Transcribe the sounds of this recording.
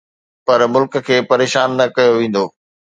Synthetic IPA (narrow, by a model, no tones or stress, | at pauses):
pɐɾmʊlkə̆kʰeːpɐɾeːʃaːnːɐkɐjoʋẽːn̆d̪oː